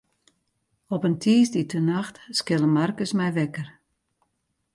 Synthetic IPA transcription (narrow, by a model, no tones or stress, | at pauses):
ɔpəntʰiːsditʰənaxtskɪlˠəmarkəsmɛjʋɛkər